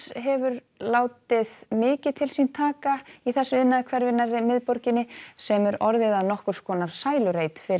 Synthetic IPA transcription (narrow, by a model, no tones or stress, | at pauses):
ɦɛvʏɾ | laːwt̪ɪðmɪːcɪ̥t̪ʰɪlsint̪ʰaːkaiθɛsːʏɪðnaðakʰvɛɾvɪnːaɾɪmɪðpɔɾcɪnːɪsɛmɛɾɔɾðɪðaðnɔhkʏɾ̥skʰɔːnaɾ̥saːjlʏɾejt̪fɪ